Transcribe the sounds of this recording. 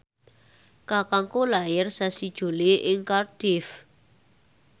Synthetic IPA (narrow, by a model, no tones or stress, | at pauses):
kakaŋkolajɪrsasid̥ʒ̥o̤leʔɪŋkard̥ɪf